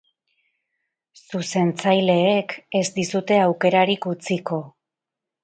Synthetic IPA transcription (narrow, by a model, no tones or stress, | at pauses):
suse̞nt͡sajle̞ːke̞zd̪isut̪e̞awke̞ɾaɾikut͡siko̞